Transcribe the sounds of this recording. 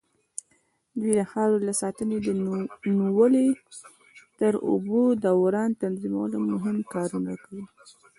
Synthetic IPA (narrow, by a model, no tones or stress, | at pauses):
d̪wid̪əxɑɾolasɑt̪əned̪ənuwəle | t̪əɾo̰bod̪awɾɑnt̪anzima̰wə̰lomʊɦɪmkɑɾuna̰kawi